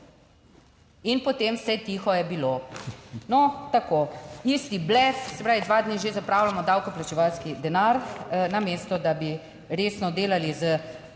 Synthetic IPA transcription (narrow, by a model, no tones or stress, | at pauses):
inpɔt̪emsɛt̪ixɔjɛbilo | nɔt̪akoist̪iblɛfsɛpɾaːʋid̪ʋaːd̪niʒezapɾaːwlamɔd̪awkɔplat͡ʃɛʋalskid̪ɛnaɾnameːst̪ɔd̪abi | ɾeːsnɔd̪eːlalizə